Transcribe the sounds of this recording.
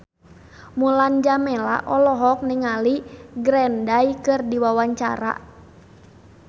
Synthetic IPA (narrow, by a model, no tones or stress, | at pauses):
muland͡ʒamɛla̰ʔɔlɔɦɔk̚niŋaliɡɾɛndajkɨrdiwawaɲt͡ʃa̰ɾa̰